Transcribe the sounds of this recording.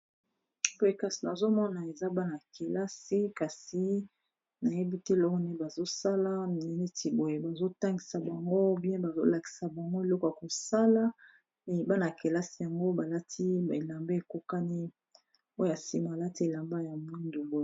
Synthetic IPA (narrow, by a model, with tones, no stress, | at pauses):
bo˨je˨ka˨si˨na˨zo˦mɔ˦na˨e˨za˦ba˦na˨ke˨la˦si˦ka˨si˨ | na˨je˦bi˦te˦˨lɔ˦ɣo˦ne˦ba˨zo˦sa˦la˦mi˨nɛ˨ni˦ti˨bo˨je˨ba˨zo˦ta˦ŋɡi˨sa˨ba˨ŋɡo˦bjɛ̃˦ba˨zo̰˦la˨ki̥˨sa˨ba˨ŋɡo˦e˨lɔ˦ko˨ja˨ko˨sa˦la˦ | nɛ˨ba˦na˨ke˨la˦si˦ja˨ŋɡo˦ba˨la˦tʰi˦˨e˨la˨mbe˦e˨ko˦ka˦ni˦ | o˦jo˦a˨si˦m˨a˨la˦ti˦e˨la˨mba˦ja˨mwi˦ndu˨bo˨e˨